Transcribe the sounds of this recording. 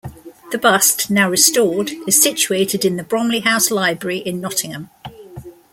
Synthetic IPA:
ðəbʌstnaʊɹɪstɔːdɪz̥sɪt͡ʃueɪtʰɪdɪ̃nðəbɹɒ̃mliɦaʊslaɪbɹəɹiʔɪ̃nːɒtʰɪ̃ŋə̃m

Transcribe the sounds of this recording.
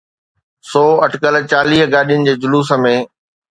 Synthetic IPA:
sɔːɐʈʰkəlt͡ɕaːliːɦɡaːɗijʊnɪ̆d͡ʑeːd͡ʑʊluːsə̆mẽ

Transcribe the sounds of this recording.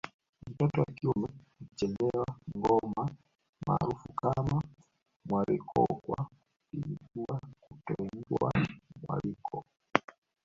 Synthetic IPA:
m̩tɔtɔwakiumɛ | it͡ʃɛnɛwaŋɡɔma | ma̰ːɾufukama | mwaɾikʰɔ̰kwa | inid͡ʒuwakutɔɛŋɡwa̰mwa̰likʰɔ

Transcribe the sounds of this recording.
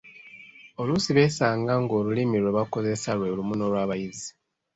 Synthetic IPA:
o̞lusiβe̞ːsaːŋɡaŋɡo̞ːlulimiɾweβako̞ze̞salwe̞lumuno̞lwaːβajizi

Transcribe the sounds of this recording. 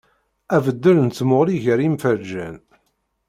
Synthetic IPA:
ævəd̪ːəɾnt͡sːmoʁliʝəɾimfəɾd͡ʒæn

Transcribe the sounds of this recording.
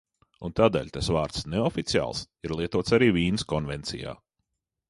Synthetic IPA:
unt̪aːd̪ɛ̰ːlʲt̪asvaːɾt̪sneɔfit̪sia̰ːlˠs | iɾlˠiɛt̪uɔt̪saɾiːviːnɨskɔnvɛnt̪sḭja̰ː

